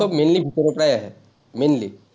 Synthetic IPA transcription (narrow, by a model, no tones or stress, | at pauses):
omẽːnlibʱikəɾopɽaːjaɦɛ | mẽːnli